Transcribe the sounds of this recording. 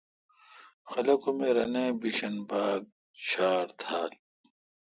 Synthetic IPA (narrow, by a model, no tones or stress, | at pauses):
xɐlɐkumeɾɐnẽːbiɕɐnbaːɡ̚ | ɕaːɾt̪ʰaːl